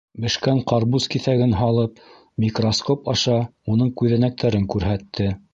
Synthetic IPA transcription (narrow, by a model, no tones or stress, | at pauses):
bɘ̆ʃkæŋqʰɑɾbuskiθæɡɘnɦɑlˠɤp̚ | mʲikroskopɑʃɑunɤɴkʉðænæk̚t̪ʰæɾɘŋkʉɾɦæt̪ːɘ